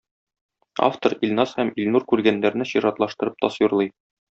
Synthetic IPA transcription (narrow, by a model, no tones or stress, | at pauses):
a̰ft̪oɾilʲnɑshæmilʲnuɾkʉɾɡænːæɾnɘɕiɾɑt̪lˠɑʃt̪ɤ̆ɾɤp̚t̪ɒsjuɾlˠɤj